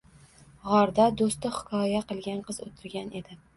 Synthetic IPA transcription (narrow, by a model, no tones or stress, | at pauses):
ʁɒɾd̪ad̪ost̪ɪχɪ̥kʰɒjaqɨlˠɡʲanqɨzo̰t̪ʰɪɾɡʲane̞d̪ɪ